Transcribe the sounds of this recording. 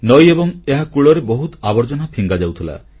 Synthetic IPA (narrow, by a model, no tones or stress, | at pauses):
nojebɔŋeɦakuɭɔɾebɔɦut̪abɔɾd͡ʒɔnapʰiŋɡad͡ʒawt̪ʰila̰